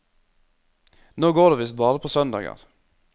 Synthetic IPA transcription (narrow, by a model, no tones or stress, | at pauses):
noːɡoːʁdeːʋɪst̪̚bɑːɾəpʰoːsœnd̪ɑ̰ːɡə̰ʁ